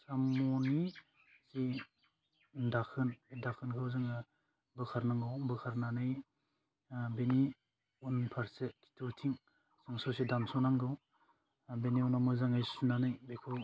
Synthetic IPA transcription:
samɔni | si | ndakʰɯnedakʰɯnkʰɯwzɯŋɯ | bɯkʰaɾnaŋɡɯwbɯkʰaɾnanɯj | beni | unpʰaɾsekʰi̥tʰutʰiŋ | sɯŋsosidamsunaŋɡɯw | beniunawmɯzaŋajsunanɯjbekʰɯ

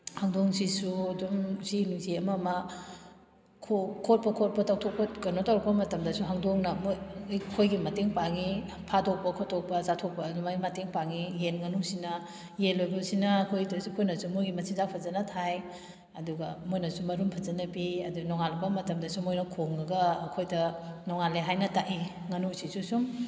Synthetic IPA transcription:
haŋdoŋsisudumsinuziɐmamɐ | kʰokʰot̚pɐkʰot̚pɐtaw̚tʰok̚pɐtɡɐnotawɾɐk̚pɐmɐtɐmdɐsuɦaŋdoŋnɐmojjkʰojɡimɐteŋpaŋi | pʰadok̚pɐkʰotʰok̚pɐzatʰok̚pɐnumajmɐteŋpaŋijenŋɐnusinɐ | jelojbɐsinɐːkʰojtoskʰojnɐsumujɡimɐsʰizak̚pʰɐzɐnɐtʰaj | ɐduɡɐmojnɐsumɐɾumpʰɐzɐnɐpiɐdunɔŋalbɐmɐtɐmdɐsumojnɐkʰoŋɐɡɐːkʰojdɐnɔŋaleɦajnɐtaʔi | ŋɐnusisusum

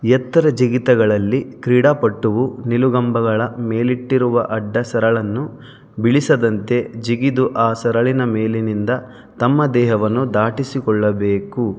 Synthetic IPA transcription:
jɛt̪ːɐɾɐd͡ʒiɡit̪ɐɡɐɭɐlːikɾiːɽaːpɐʈːuʋuniluɡɐmbɐɡɐɭɐmeːliʈːiɾuʋɐʔɐɖːɐsɐɾɐɭɐnːu | biɭisɐd̪ɐnt̪e̞d͡ʒiɡid̪uʔaːsɐɾɐɭinɐmeːlinind̪ɐ | t̪ɐmːɐd̪ɛːɦɐʋɐnːud̪aːʈisikɔɭːɐbeːku

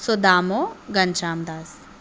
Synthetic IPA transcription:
sod̪aːmoɡɐnt͡ʃaːmd̪aːs

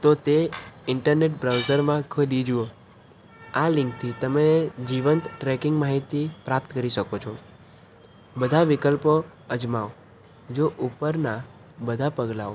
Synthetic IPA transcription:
t̪ot̪eɪɳʈəɾneʈ̚bɾawzəɾmãkʰəlid͡ʒuo | alɪ̃ŋk̚t̪ʰit̪əmed͡ʒiʋənt̪ʈɾɛkɪŋɡmaɦit̪ipɾap̚t̪kəɾiʃəkot͡ʃʰo | bəd̪ʱaʋɪkəlpo | əd͡ʒmaʋ | d͡ʒoʔupəɾna | bəd̪ʱapəɡlaʋo

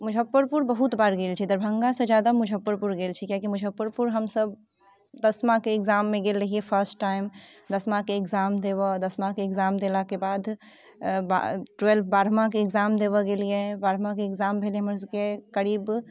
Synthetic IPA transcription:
mud͡ʒʱəpːəɾpuɾbəɦut̪baɾɡelt͡ʃʰid̪əɾbʱəŋɡasə̃d͡ʒjad̪amud͡ʒʱəpːəɾpuɾɡelt͡ʃʰikjakimud͡ʒʱəpːəɾpuɾɦəmsəb | d̪əsmakeːɡzamːeɡelɾəɦijepʰəɾsʈːaim | d̪əsmãkeːkzamd̪eβɔd̪əsmakeːɡzamd̪elakebad̪ʱ | ba̰ʈwelpʰbaɾmakeːɡzamd̪eβəɡelijẽbaɾmakeeɡzambʱeljeɦəməɾsəbkekəɾib

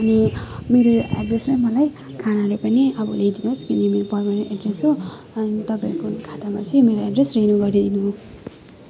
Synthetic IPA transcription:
ʌnimeɾoeɖreslajmʌlaj | kʰanaɾopʌniʌbʌlejd̪inoskinimeɾopʌrmaneʔeɖresɦo | ʌnit̪ʌpaikonkʰat̪amat͡sʰʌĩmeɾoeɖresrenuɡʌɾid̪inu

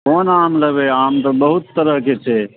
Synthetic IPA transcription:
konamləbeamt̪əbəɦut̪ːəɾəɦket͡ʃʰɛ

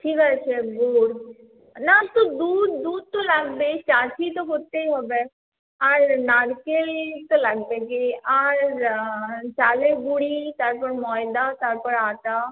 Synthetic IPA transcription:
ʈʰiːkat͡ʃʰeɡuːɾ | nat̪oːd̪uːd̪ːuːd̪̚t̪õːləɡbeːt͡ʃaːt͡ʃʰiːt̪õːkʊt̪ːeɦobeː | əɾnaːɽkelt̪õːləɡbeːɡeʔəɾ | t͡ʃaːleːbuɽiːt̪əɾpəɾmɔːɪd̪aːt̪əɾpəɾaːt̪aː

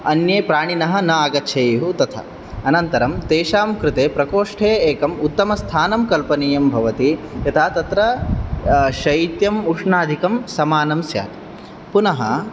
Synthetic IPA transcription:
ɐnjeːpɾaːɳinɐɦɐ̆nɐaːɡɐtːt͡ʃʰɐːjɦut̪ɐt̪ʰɐ̰ | ɐnɐnt̪ɐɾɐmt̪eːʃaːmkɾɪt̪eːpɾɐkoːʂʈʰeːeːkɐmut̪ːɐmɐst̪ʰaːnɐmkɐlpɐniːjɐmbʱɐʋɐt̪ijɐt̪ʰaːt̪ɐt̪ɾɐ | ʃɐjit̪jɐmuʂɳaːd̪ʱikɐmsɐmaːnɐmsja̰ːt̪i̥ | punɐɦɐ̰

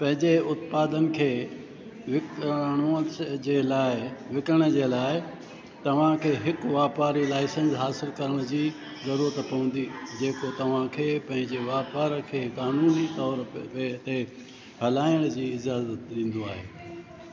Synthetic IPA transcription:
pɐ̃ɦɪ̃ɲd͡ʑeʊt̪paːd̪ənɪ̆kʰeː | ʋɪkɽ̃od͡ʑeːlaːɪʋɪkəɽ̃ə̆d͡ʑeːlaːɪ | t̪ɐʋ̤ãkʰeːɦɪkʋaːpaːɾilaːɪsə̃nsɦaːsɪlkɐɾəɽ̃əd͡ʑiː | zɐɾuːɾət̪pɐʋə̃nd̪id͡ʑeːkot̪ɐʋ̤ãkʰeːpɐ̃ɦɪ̃ɲd͡ʑeʋaːpaːɾəkʰeːkaːnuːnit̪ɔːɾpet̪e | bʱɐlaːɪəɽ̃d͡ʑiːɪzaːzət̪ɗĩːn̆d̪oaːɦeː

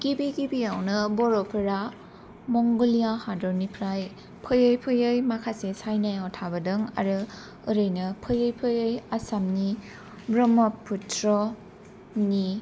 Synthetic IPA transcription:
ɡ̥ibiɡibiawnɯbɔɾɔpʰɯɾa | mɔŋɡɯlijahadɔnipʰɾaj | pʰɯjɯjpʰɯjɯjmakʰasesajnajawtʰabɯdɯŋa̰ɾɯ | ɯɾɯjnɯpʰɯjɯjpʰɯjɯjasamni | bɾɔmɔpʰːutʰɾɔ | ni

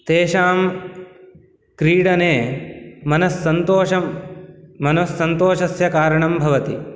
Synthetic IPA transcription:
t̪eːʃaːm | kɾiːɽɐneːmɐnɐsːɐnt̪oːʃɐ | mɐnɐsːɐnt̪oːʃɐsjɐkaːɾɐɳɐmbʱɐʋɐt̪i

